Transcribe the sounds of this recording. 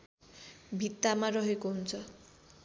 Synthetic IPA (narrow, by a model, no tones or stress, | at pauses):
bʱit̪ːamaɾɔɦekont͡sʰɔ